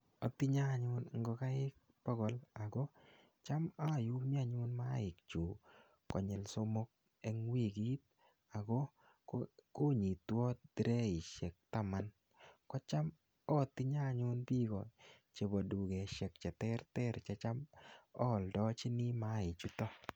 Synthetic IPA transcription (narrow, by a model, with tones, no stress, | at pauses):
ɔ˨t̪ɪ˦ɲa˦˨ɲʊ˦nŋ˦ɡɔ˨˧ka˦ɪ˦k̚ | pɔ˦ɡɔ˨la˨ɡɔ˦ | t͡ʃa˦ma˦˨ju˦mi˦a˨ɲʊ˦nma˦ɪ˨k̚t͡ʃu˨ | kɔ˨ɲɛ˨lso˦mo˦k̚ | ɛ˨˦ŋwi˦˨ɡi˦t̪̚ | a˨ɡɔ˦ | ko˦ɲi˨t̪wɔ˦d̥ɾɛ˦ɪ˨ʃɛ˨k̚ta˦ma˦n | kɔ˦t͡ʃa˦m | ɔ˦˨t̪ɪ˦ɲa˦˨ɲʊ˦nbi˦ɡɔ˨ | t͡ʃe˨bo˨du˨ɡɛ˨ʃɛ˨k̚t͡ʃɛ˨tɛ˦ɾtɛ˦ɾt͡ʃɛ˦t͡ʃa˦mɔ˦˨ldɔ˦t͡ʃɪ˦ni˦ma˦ɪ˨t͡ʃu˦tɔ˦